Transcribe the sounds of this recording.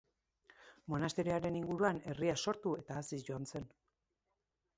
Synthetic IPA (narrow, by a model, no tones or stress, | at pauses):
mo̞nast̪eɾiaɾe̞niŋɡuɾuane̞riaso̞ɾt̪ue̞t̪aːsisʝo̞anse̞n